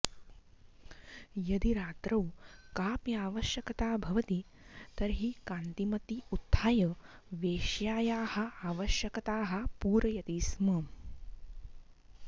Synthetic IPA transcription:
jɐd̪iɾaːt̪ɾɐwkaːpjaːʋɐʃjɐkɐt̪aːbʱɐʋɐt̪i | t̪ɐɾɦikaːnt̪imɐt̪iut̪ʰːaːjɐ | ʋeːʃjaːjaːhɐ̆aːʋɐʃjɐkɐt̪aːɦɐ̆puːɾɐjɐt̪iːsmɐm

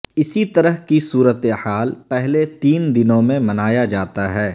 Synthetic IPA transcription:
ɪsit̪ɐɾəɦkisuːɾət̪ehaːlpɛɦlet̪iːnd̪ɪnõmẽmɐnaːjad͡ʒaːt̪aɦɛː

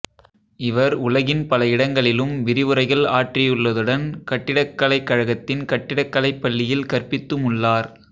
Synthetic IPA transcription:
ɪʋɐɾʊlɐɣɪnpɐlɐɪɽɐŋɡɐɭɪlɯmʋɪɾɪʋɯɾɐɪɣɐɭaːʈrɪjɯɭːɐðɯɽɐnkɐʈːɪɽɐkːɐlɐɪkːɐɻɐɣɐt̪ːɪnkɐʈːɪɽɐkːɐlɐɪpːɐɭːɪjɪlkɐrpɪt̪ːɯmʊɭːaːɾ

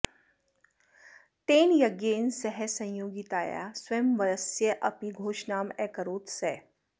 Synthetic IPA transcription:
ʈ̪eːnjɐɡjeːnsɛɦɛsɐ̃j̃joːɡit̪aːja̰ːsʋeːmʋɐɾɐsjəʔɐpiɡʱoːʃnaːmɛːkəɾoːt̪sɛː

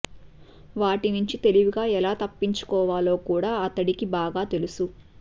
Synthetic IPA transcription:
ʋaːʈiniɲt͡ʃit̪e̞liʋuɡaːɛlaːt̪ɐpːiɲt͡ʃu̥kɔːʋaːlo̞ːkuːɽaːɐt̪ːɐɽikibaːɡaːt̪e̞lusu

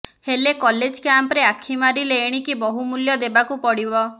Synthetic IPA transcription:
helekɔled͡ʒkjampɾeakʰimaɾileːɽ̃ikibɔɦumuljɔd̪ebakupɔɽibɔ

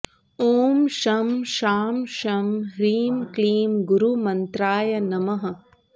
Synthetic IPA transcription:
oːmʃɐmʃaːmʃɐmɦɾiːmkliːmɡuɾumɐnt̪ɾaːjɐnɐmɐɦɐ̆

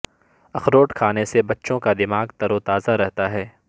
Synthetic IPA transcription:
ɐxɾoːʈkʰaːnesebɐtːʃõkad̪ɪmaːɡt̪ɐɾot̪aːzaɾɛɦt̪aɦɛː

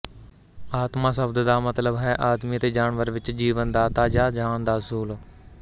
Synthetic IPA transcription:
aːt̪mãːsəbd̪d̪aːmət̪ləbɦɛːʔaːd̪miːət̪eːd͡ʒaːɳʋəɾʋɪt͡ʃd͡ʒiːʋənd̪aːt̪aːd͡ʒaːd͡ʒaːnd̪aːəsuːl

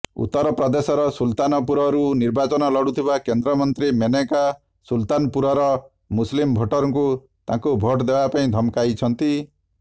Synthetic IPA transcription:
ṵt̪ːɔɾɔpɾɔd̪esɔɾɔsult̪anɔpuɾɔɾuniɾbat͡ʃɔnɔlɔɽut̪ʰibakend̪ɾɔmɔnt̪ɾimeneka | sult̪anɔpuɾɔɾɔ | muslimbʱɔʈɔɾɔŋku | t̪ãkubʱoʈd̪ebapaĩd̪ʱɔmkajt͡ʃʰɔnt̪i

